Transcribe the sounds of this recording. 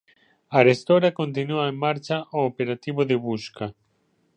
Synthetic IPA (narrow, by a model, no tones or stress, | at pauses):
aɾest̪oɾakont̪̬inuaemːaɾt͡ʃaʔoːpeɾat̪iβoðɪβuska